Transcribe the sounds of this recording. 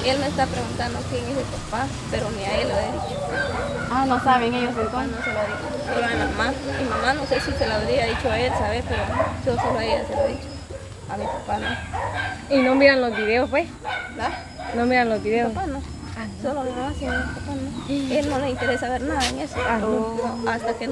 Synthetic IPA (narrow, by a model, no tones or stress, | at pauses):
e̞lmeːst̪apɾeɣunt̪and̪okjeŋezðepapa | peɾoniaeloaðit͡ʃo | anosaβeŋeʝosekonoselaβɾit͡ʃosoloemamamimãmano̞se̞sise̞laβɾiaðit͡ʃoelsaβepe̞ɾod͡ʒosoloeaseloðit͡ʃo | amipapano | ino̞miɾanlozβiðe̞ospwesla | nomiɾanlozβiðeoano | solomimamasinomipapanoelno̞leint̪eɾesaβeɾnaðaeŋesoaonoast̪ake